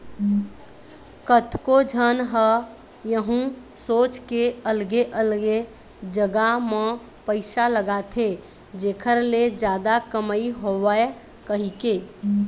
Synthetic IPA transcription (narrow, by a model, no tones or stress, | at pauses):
kət̪kod͡ʒʱənɦə | jəɦũsot͡ʃkeəlɡeʔəlɡe | d͡ʒəɡamẽ | pəɪsaləɡat̪ʰe | d͡ʒeːkʰəɾled͡ʒjaːd̪akəməiɦowe | kəɦike